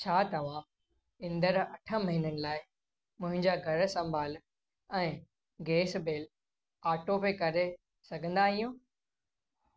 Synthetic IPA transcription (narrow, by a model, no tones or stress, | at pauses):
t͡ɕʰaːt̪ɐʋ̤ã | ɪ̃nd̪əɾɐʈʰə̆mɐɦinənɪ̆laːɪ | mʊ̃ɦɪ̃ɲd͡ʑaɡʱɐɾ̆sɐ̃mbʱaːl | ɛ̃ː | ɡeːsbeːl | aːʈopekɐɾe | sɐɡʱə̃nd̪aːɦijõː